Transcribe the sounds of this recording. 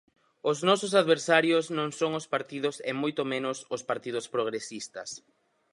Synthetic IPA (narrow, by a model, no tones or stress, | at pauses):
ʊznɔsʊsaðβeɾsaɾjʊznõŋsoŋʊspaɾt̪iðʊsemojt̪omẽnʊsʊspaɾt̪ið̞ʊspɾoɣɾesist̪ɐs